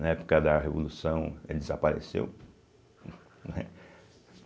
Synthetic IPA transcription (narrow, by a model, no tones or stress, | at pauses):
nɐɛpo̥kɐd̪ɐɦevolusɐ̃w̃ɛdɪzapaɾḛsḛw | nɛ